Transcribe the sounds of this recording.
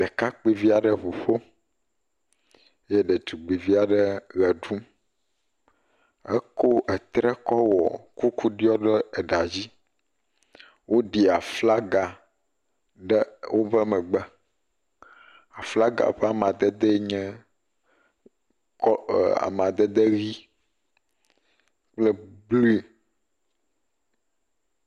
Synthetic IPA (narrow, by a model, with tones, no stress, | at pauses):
ɖɛ˨ka˦k͡pi˦˨vi˦a˨ɖɛ˨βo˨ɸo˦ | je˦ɖɛ˨t̪u˨ɡ͡bi˨vi˦a˨ɖɛ˦ɣɛ˨ɖu˦m | ḛ˦ko˦ʔɛ˨t̪ɾɛ˦kɔ˦wɔ̰˨ku˦ku˦ɖi˦ɔ˦ɖɛ˦ɛ˨ɖa˨d͡ʑi˦ | wʔo˦ɖi˨a˨fla˦ɡa˨ | ɖɛ˦wo˦vɛ˦mɛ̃˨ɡ͡bɛ˦ | a˨fla˦ɡa̰˨ɸɛ˦a˨mã˨d̪ɛ˦d̪ɛ˦ɲɛ̃˦ | a̰˨m˨ã˨d̪ɛ˦d̪e˦ɣi˦ | k͡plɛ˦bli˦˨